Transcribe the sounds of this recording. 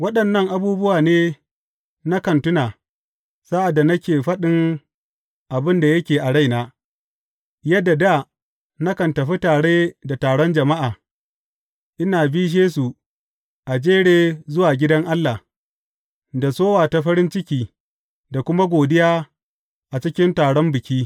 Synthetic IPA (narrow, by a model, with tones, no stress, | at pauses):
wɐ˦ɗɐ˨nːɐ˦˨ŋʔa˨buː˦bʊ˦waː˨neː˦ | na˦kɐ˨ntʊ˦naː˨ | saː˦ʔa˨dːa˨nɐ˦kʲeː˨ɸɐ˦ɗɪ˦ŋ | ʔa˨bɪ˦nda˨jɐ˦kʲeː˨ʔa˨ɽa˦jnaː˦ | jɐ˦dːa˨da˦˨ | na˦kɐ˨ntɐ˨ɸi˦taː˨ɽeː˦da˨taː˨ɽɔ˦nd͡ʒɐ˨ma˦ʔaː˨ | ʔɪ˦naː˨biː˦ʃ̬eː˦s̬u˨ | ʔa˨d͡ʒeː˦ɽeː˦zʊ˦waː˨ɡʲɪ˦dɐ˦ŋʔa˦lːa˨ | da˨soː˦waː˨ta˨ɸɐ˦ɽɪ˦nt͡ʃɪ˦kʲiː˦ | da˨kʷʊ˦ma˦ɡʷoː˨dɪ˦jaː˦ | ʔa˨t͡ʃɪ˦kʲɪ˦ntaː˨ɽɔ˦mbɪ˨kʲiː˦